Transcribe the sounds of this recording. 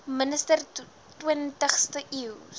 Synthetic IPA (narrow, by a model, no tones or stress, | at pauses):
mənəstər | twiəntəχstəʔiw